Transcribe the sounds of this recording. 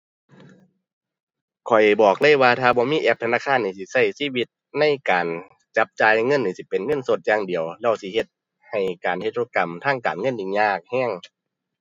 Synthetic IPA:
kʰɔ˨˩jbɔː˨˩k̚laː˧˥˨jwaː˧t̪ʰaː˧bɔː˧˦miː˧˥˨ʔɛː˧p̚t̪ʰa˧naː˧˥˨kʰaː˧˥˨nːiː˨˧˩si˧˦sa˧˩jsiː˧˥˨wi˧t̪̚ | na˧˥˨jkaː˨n | t͡ɕa˧˦p̚t͡ɕaː˧jŋɤ˧˥˨nːiː˨˩si˧˦pe˨nŋɤ˧˥˨nso˧˦t̪̚jaː˧ŋdi˨˩əwlɛ˧˩wsi˧˦he˧t̪̚ | ha˨˩jkaː˨˩nhe˧t̪̚ʰɾoː˧ka˨mt̪ʰaː˧˥˩ŋkaː˨nŋɤ˧˥˨nji˧ŋɲaː˧˩k̚hɛː˧˥˩ŋ

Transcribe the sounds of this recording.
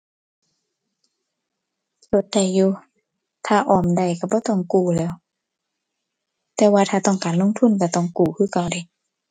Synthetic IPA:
t͡ɕo˧˦t̪̚da˧˩jːuː˧ | t̪ʰaː˧˩ʔɔː˨˩mda˧˩jka˧˩bɔː˧˦t̪ɔ˧˩˨ŋkuː˧˩lɛː˧˩w | t̪ɛː˧waː˧t̪ʰaː˧t̪ɔ˧˩ŋkaː˨nlo˧˥˨ŋt̪ʰu˧˥˨nka˧˩t̪ɔ˧˩˨ŋkuː˧˩kʰɯː˧˥˨ka˧˩wda˧˩j

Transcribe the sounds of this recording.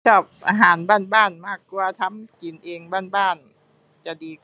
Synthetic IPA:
t͡ɕʰɔː˥˩p̚ʔaː˧ɦaː˩˦nbaː˥˩nbaː˥˩nmaː˥˩kːwaː˧t̪ʰa˧˥˨mki˨nʔeː˧ŋbaː˥˩nbaː˥˩n | t͡ɕa˧˩diː˧

